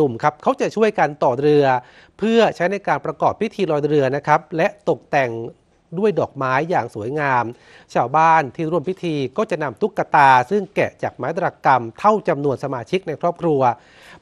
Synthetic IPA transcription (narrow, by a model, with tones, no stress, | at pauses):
u˨˩mkʰa˦˥p̚kʰa˦˥wt͡ɕa˨˩t͡ɕʰu˥˩əjka˧nt̪ɔː˨˩ɾɯ˧ɐ | pʰɯ˥˩ɐt͡ɕʰa˦˥jna˧jkaː˧npɾa˧kɔː˨˩pʰːi˦˥t̪ʰiː˧ɾɔː˧jɾɯ˧ɐna˦˥kʰa˦˥p̚lɛ˦˥ʔt̪o˨˩k̚t̪ɛ˨˩ŋ | du˥˩əjdɔː˨˩k̚maː˦˥jːaː˨˩ŋsu˩˦əjŋaː˧m | t͡ɕʰaː˧˩wbaː˥˩nt̪ʰiː˥˩ɾu˥˩əmpʰi˦˥t̪ʰiː˧kɔː˥˩t͡ɕa˨˩na˧mt̪ʰu˦˥kːa˧t̪aː˧sɯ˥˩ŋkɛ˨˩t͡ɕaː˨˩k̚maː˦˥t̪ɾaː˧ka˧mt̪ʰa˥˩wt͡ɕa˧mnu˧ənsa˧maː˧t͡ɕʰi˦˥k̚na˧jkʰɾɔː˥˩p̚kʰɾu˧ɐ